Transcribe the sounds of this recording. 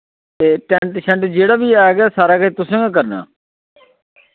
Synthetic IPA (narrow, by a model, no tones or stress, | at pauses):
t̪eːʈɛɳʈʃʰə̃ɳʈd͡ʒeːɽaːbiːaːɡɪjaːsaːɾaːkəiːt̪ʊsẽːɡaːk̬əɾna̰ː